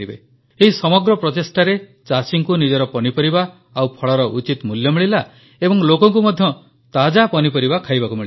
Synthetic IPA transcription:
ibḛ | eɦisɔmɔɡɾɔpɾɔt̪esʈaɾet͡ʃasiŋkunid͡ʒɔɾɔpɔnipɔɾiba | awpʰɔɭɔɾɔʔut͡ʃit̪muljɔmiɭila | ebɔŋlokɔŋk̬umɔd̪ʱjɔ | t̪ad͡ʒapɔnipɔɾibakʰajbakumiɭi

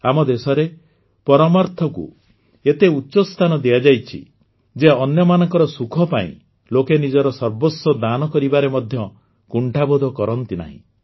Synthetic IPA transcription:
amɔd̪esɔɾe | pɔɾɔmɔɾt̪ʰɔkṵ | et̪eutːʃɔst̪ʰanɔd̪ijad͡ʒajt͡ʃʰḭ | d͡ʒeɔnjɔmanɔŋkɔɾɔsukʰɔpaḭ̃ | lokenid͡ʒɔɾɔsɔɾbosɔd̪anɔkɔɾibaɾemɔd̪ʱjɔ | kuɳʈʰabod̪ʱɔkɔɾɔnt̪ina̰ɦḭ̃

